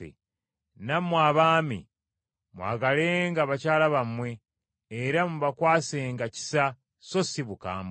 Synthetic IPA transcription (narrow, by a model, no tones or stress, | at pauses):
ḛ | namwaːβaːmḭ | mwa̰ːɡaleːŋɡaβacaːlaβamwe̞ː | ɾamuβakwaːseːŋɡaci̥sa | so̞siβuka̰ːmb